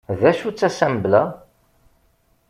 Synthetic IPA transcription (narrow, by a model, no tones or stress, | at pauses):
ðæʃut͡sːæsæmblæ